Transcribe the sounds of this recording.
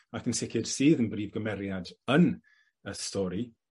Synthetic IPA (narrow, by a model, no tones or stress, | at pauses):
akənsɪkʰɪd̥siːðənbriːvɡəmɛɾjadən | əstʰɔːɾi